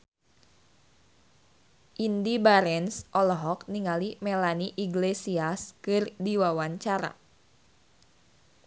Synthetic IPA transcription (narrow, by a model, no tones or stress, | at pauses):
ʔindibaɾɛnsʔɔlɔɦɔkniŋalimelaniʔiɡlesiaskɨrdiwawaɲt͡ʃaɾa̰